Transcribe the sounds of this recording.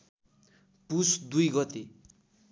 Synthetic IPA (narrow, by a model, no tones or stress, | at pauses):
pusd̪ujɡʌt̪e